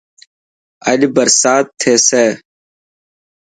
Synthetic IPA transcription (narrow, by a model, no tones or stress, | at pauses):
ə̰ɗbəɾsaːt̪ʰːeːseː